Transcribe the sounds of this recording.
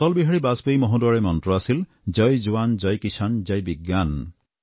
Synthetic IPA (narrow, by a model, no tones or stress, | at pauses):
t̪ɔlbiɦaɽibasbejmɔɦõdwɔɹemɔntɾɔasil | d͡ʒɔjd͡ʒuwand͡ʒɔjkisand͡ʒajbiɡːan